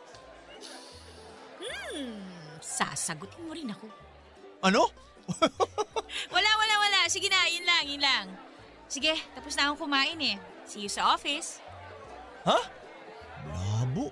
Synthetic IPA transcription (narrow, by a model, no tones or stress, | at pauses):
m̩ | sa̰sɐɡʊt̪ɪnmoɾɪnɐko̞ | ʔɐno | wɐlawɐlawɐlaʔsɪɡɪnaːjɪnlaŋɪnlaŋ | sɪɡɛt̪ɐposnaːmoŋkʊmaːʔɪnɛ | sijosɐʔoːfɪs | ha | baːboʔ